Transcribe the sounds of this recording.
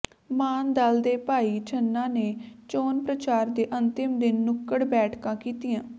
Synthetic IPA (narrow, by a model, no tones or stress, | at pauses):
maːnd̪ald̪eːpaːiːt͡ʃʰənːãːneːt͡ʃoːnpɾət͡ʃaːɾd̪eːʔənt̪ɪmd̪ɪnːʊkːəɽbɛːʈʰkãːkiːt̪ijãː